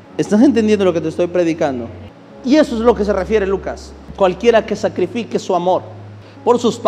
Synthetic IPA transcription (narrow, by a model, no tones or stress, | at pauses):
est̪as̬ent̪end̪jend̪olo̞ke̞t̪est̪o̞jpɾe̞ðikand̪o̰ | ie̞soezlo̞ke̞s̬e̞refje̞ɾelukas | kwalkje̞ɾake̞sakɾifikesuamo̞ɾ | po̞ɾsusp